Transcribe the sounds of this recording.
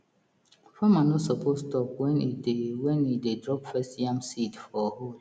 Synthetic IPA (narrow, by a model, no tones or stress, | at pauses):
famanɔsɔpʰostɔpwɛ̃niewɛ̃nidedɹɔpfɛstjãmsitfɔhol